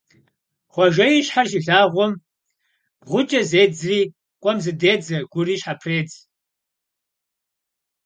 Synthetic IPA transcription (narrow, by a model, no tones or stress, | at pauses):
χʷɔʒɐjiʃħaʒɪɮaːʁʷɔm | ʁʷʊt͡ʃʼɐzeːd͡zriː | kʷʼɔmzɨdeːd͡zɐɡʷʊriːʃħapʰreːd͡z